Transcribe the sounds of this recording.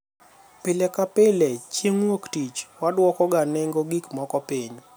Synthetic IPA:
pɪlɛkapɪlɛt͡ʃeŋwoktit͡ʃwadwɔkɔɡaneŋɡoɡikmɔkɔpiɲ

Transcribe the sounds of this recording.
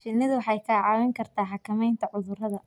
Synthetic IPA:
ʃɪnːɪðʊwɑħɑjkʰaːʕɑːwɪŋkʰɐrt̪ʰaːħɑkʰɐmɛjnt̪ʰɐʕʊðʊrɐðɐ

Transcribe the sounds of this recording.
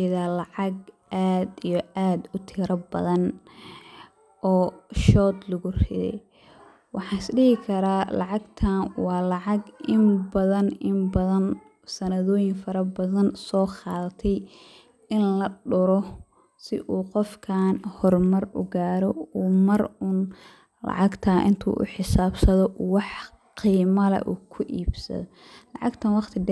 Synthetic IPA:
ɪðaːlɑʕɑɡ | ʔaːd̪ijɔʔaːd̪ʊt̪ʰɪːɾɐbɐðɐn | ʔɔːʃɔːd̪lʊɣʊrɪ̰ðɛ̰j | wɑħɑːɪsɖɪɦɪkʰɐɾaːlɑʕɑɡt̪ʰaːnwɑːlɑʕɑɡɪmbɐðɐnɪmbɐðɐn | sɐnɐðɔːjɪŋfɐɾɐbɐðɐnsɔːqɑːðt̪ʰɛj | ɪnlɐɖʊɾɔ | sɪʔuːqɔfkʰaːnhɔrmɐrʊ̰ɡaːɾɔuːmɐrʊn | lɑ̰ʕɑɡt̪ʰɐʔɪnt̪ʰṵːʔʊ̰ħɪsaːbsɐðɔwɑħ | qiːmɐlɐ̰ʔuːkʰʊʔiːbsɐ̰ðɔ | lɑʕɑɡt̪ʰɐnwɑqt̪ʰɪd

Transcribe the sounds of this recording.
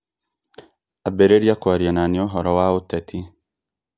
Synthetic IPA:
abeɾeɾjakwaɾiananioɦɔɾɔwautatʰi

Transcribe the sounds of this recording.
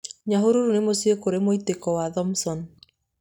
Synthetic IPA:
ɲaɦoɾoɾunemosiekoɾemoitekɔwaðɔmsɔn

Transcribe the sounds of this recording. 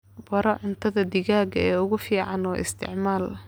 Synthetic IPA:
bɐɾɔʕʊnt̪ʰɐðɐd̪ɪɣaːɡɐɛːʊɣʊfiːʕɑnɔːʔɪ̰st̪ʰɪ̰ʕmaːl

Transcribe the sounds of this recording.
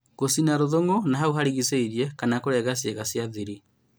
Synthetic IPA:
ɣosinaɾoðoŋɡonaɦauɦaɾiɣiseiɾiɛkanakoɾɛɣas̬jeɣasjaðiɾi

